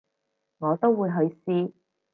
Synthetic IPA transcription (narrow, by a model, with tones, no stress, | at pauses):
ŋɔː˨˧t̪o˥wːuː˨˧jɦɵ˨˧ɥsiː˥